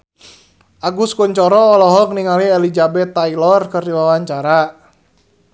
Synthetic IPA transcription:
ʔaɡuskuɲt͡ʃɔɾɔːlɔɦɔk̚niŋaliɛlid͡ʒabɛt̪ːailɔrkɨrdiwawaɲt͡ʃaɾa

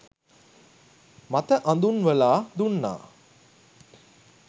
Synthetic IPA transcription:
mat̪əʔand̪unʋəlaːd̪unːa̰ː

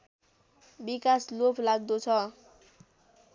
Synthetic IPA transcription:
bikaslopʰlaɡ̚d̪ot͡sʰʌ

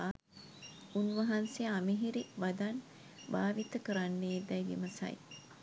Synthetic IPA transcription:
unʋɐɦansejamiɦiɾiʋad̪an | baːʋit̪əkəɾanːeːd̪ɛjɡḭməsa̰j

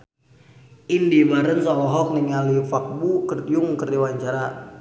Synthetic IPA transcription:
indibaɾənsalɔɦɔk̚niŋalifak̚bukərdjuŋkərdiwaɲt͡ʃaɾa

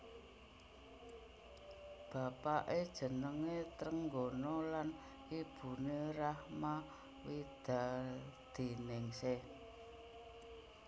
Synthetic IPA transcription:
b̥a̤paʔed̥ʒ̥ə̤nəŋet̪ɾəŋɡonɔlan | ib̥ṳneɾahma | wid̪̥a̤d̪̥e̤nɪŋse

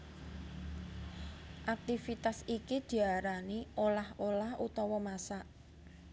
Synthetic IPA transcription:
ʔak̚t̪ifit̪asikid̪̥i̤aɾaniʔolaholahut̪ɔwɔmasaʔ

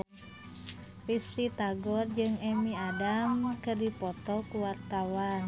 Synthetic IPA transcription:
pist̪it̪aɡɔrd͡ʒɨŋɛmiadamkɨrdipɔt̪ɔkuwart̪awan

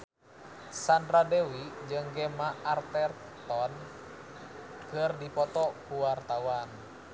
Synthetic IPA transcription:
sandɾadɛwid͡ʒɨŋɡɛmaʔːrt̪ɛr | t̪ɔn | kərdipɔt̪ɔkuwart̪awan

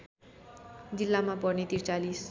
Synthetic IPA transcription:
d͡zilːamapʌrnet̪irt͡salis

